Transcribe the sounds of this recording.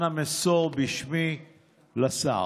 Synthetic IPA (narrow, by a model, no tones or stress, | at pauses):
namesoʁbiʃmi | lasa̰